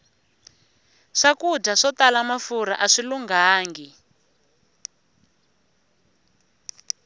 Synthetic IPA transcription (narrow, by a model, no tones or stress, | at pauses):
ʂakudʱaʂɔtalamafuɾa̰ʔaʂiluŋɡaːŋɡi